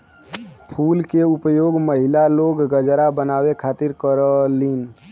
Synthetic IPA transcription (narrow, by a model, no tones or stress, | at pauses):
pʰuːlkeʊpjoːɡməɦɪlaloːɡːəd͡ʒɾabənaːwekʰaːt̪ɪɾkəɾəliːn